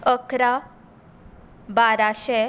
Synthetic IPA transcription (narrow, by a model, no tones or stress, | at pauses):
əkɾa | baɾaɕɛ